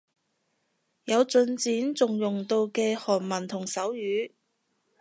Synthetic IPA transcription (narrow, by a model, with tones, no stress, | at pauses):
jɐ˨˧wt͡sɵ˧nt͡siː˨˥nt͡sʊ˨ŋjʊ˨˩ŋt̪o˧wkɛː˧hɔː˨˩nmɐ˨˩nt̪ʰʊ˨˩ŋsɐ˨˥wjyː˨˧